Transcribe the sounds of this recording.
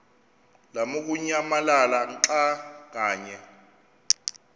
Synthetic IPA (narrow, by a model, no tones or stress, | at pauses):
lamuk̬uɲamalalanǁak̬aːɲɛ